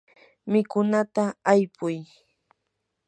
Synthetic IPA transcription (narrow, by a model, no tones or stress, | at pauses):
mɪkʊnat̪aːjpʊj